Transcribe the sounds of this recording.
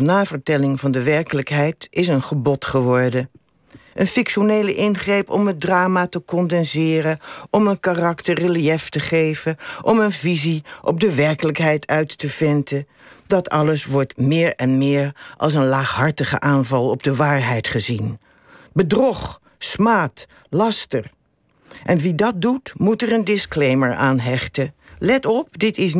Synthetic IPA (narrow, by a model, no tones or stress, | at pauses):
naːvəɹtɛlɪŋvɑndəʋɛɹkələkɦɛjtɪs̬ənχəbɔtχəʋɔɹdə | ʔənfɪkʃonejləʔɪnχrejpɔ̰mɦət̚draːmaːtəkɔndɛnzɪːrənɔmənkarɑktərəlijɛftəχejvəʔɔmənviziʔɔ̰b̚dəʋɛɹkələkɦɛjtʰœɥtːəvɪntə | dɑtɑləsʋɔɹtmɪːɹɛnmɪːɹʔɑ̰lˠs̬ənlaːχɦɑɹtəχə̰ʔaːnvɑlˠɔb̚dəʋaːɹɦɛjtχəzin | bədrɔχ | smaːt | lɑstər | ʔɛnʋidɑt̚dutmutərəndɪsklejməɹaːnɦɛχtə | lɛtɔp̚dɪtɪs